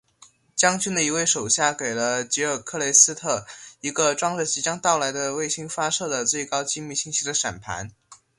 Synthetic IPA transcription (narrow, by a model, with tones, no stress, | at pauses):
t͡ɕjɑ˥ŋt͡ɕy˥nd̪ə˨i˧˥we˥˩ɪʂo˨˩ʊɕja˥˩ke˨˩ɪlə˦t͡ɕi˧˥ə˞˨˩kʰɤ˥˩le˧˥ɪsɹ̩˥t̪ʰɤ˥˩i˧˥ɡə˧ʈ͡ʂwɑ˥ŋɻə˥˩t͡ɕi˧˥t͡ɕjɑ˥ŋt̪ɑ˥˩ʊla˧˥ɪd̪ə˧we˥˩ɪɕi˥ŋfa˥ʂɤ˥˩d̪ə˩t͡swe˥˩ɪkɑ˥ʊt͡ɕi˥mi˥˩ɕi˥ŋt͡ɕʰi˧˥d̪ə˧ʂa̰˨˩npʰa̰˧˥n